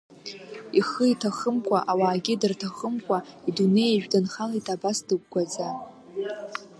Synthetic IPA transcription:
iχəitʰaχəmkʷʰʼaʔawaːɡʲɪdɨrtʰaχəmkʷʼaidune̞jaʒᶣdɨnχalijtʼabasdɨɡ̚ʷɡʷaza

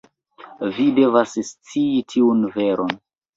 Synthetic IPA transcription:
vide̞vasst͡siitʰiunveɾon

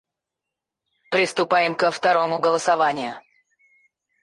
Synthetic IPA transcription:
pɾʲɪst̪ʊpajɪmkəft̪ɐɾo̞mʊɡəlˠəsɐvanʲɪjʊ

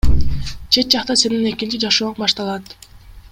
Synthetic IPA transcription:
t͡ʃʰe̞t̪̚d͡ʒɑqt̪ɑse̞nine̞kint͡ʃid͡ʒɑʃoːbɑʃt̪ɑlˠɑt̪

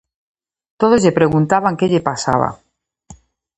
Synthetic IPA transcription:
t̪oð̞ozʎe̞pɾe̞ɣ̞unt̪aβaŋkeʎepasa̰β̞a̰

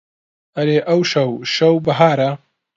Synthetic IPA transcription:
ɐɾeːʔɐwʃɐwʃɐwbɐɦaːɾɐ

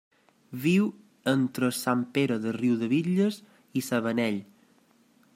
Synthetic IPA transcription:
βiw | ənt̪ɾəsampeɾəðəriwðəβiʎəz | isəβənɛʎ

